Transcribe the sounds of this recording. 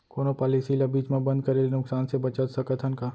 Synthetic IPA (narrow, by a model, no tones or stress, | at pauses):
koːnopaːlisilɐbiːd͡ʒmẽbɐ̃nd̪̚kɐɾelnʊksaːnsebɐt͡ʃət̪sɐkət̪ʰənka